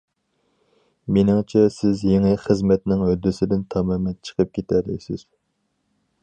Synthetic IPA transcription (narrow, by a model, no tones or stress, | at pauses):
menɪŋt͡ʃʰɛsɪzjeŋɪχəzmɛt̪nɪŋød̪ːɪsɪd̪ɪnt̪ʰɑmɑmɛnt͡ʃʰə̥qʰəp̚kʲʰet̪ʰæɾd̪ɛ̰sɪz̥